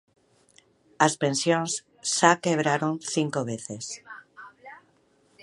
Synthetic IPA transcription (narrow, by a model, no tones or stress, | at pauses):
aspensjõnsː | akeβ̞ɾaɾonθiŋkoβ̞eθes